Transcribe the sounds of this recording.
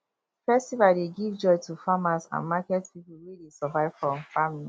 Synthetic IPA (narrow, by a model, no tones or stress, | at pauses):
fɛstivadeɡivd͡ʒɔɪtufamasã̰nmakɛtpipuwedesavaɪv̥fɹɔ̃mfamili